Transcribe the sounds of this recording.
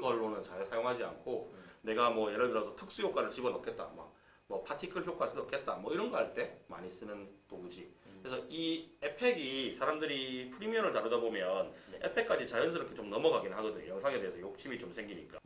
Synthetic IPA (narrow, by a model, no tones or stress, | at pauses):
ɡʌɭːonɯnt͡ɕajsʰajoŋɦad͡ʑia̰nkʰone̞ɡamwʌje̞ɾɯɭdɯɾʌsʰʌtʰɯk̚s͈ujok͈waɾɯɭt͡ɕibʌnʌkʰe̞t̚t͈a̰mʌ̰k | mwʌpʰatʰikʰɯɭçjok͈was͈ɯdnʌkʰe̞t̚t͈amwʌiɾʌnɡʌɦaɭt͈e̞ma̰ɲis͈ɯnɯnt͈oud͡ʑikɾesʰʌiepʰe̞ɡisʰaɾamdɯɾipʰɯɾimiʌɾɯɭtaɾɯdabomjʌne̞pʰe̞k͈ad͡ʑit͡ɕajʌnsʰɯɾʌkʰet͡ɕomnʌmʌɡaɡinɯɭɦaɡʌdɯɲo̰jʌŋsʰaŋe̞deesʰʌjok̚ɕ͈imit͡ɕomsʰe̞ŋɡiɲik͈a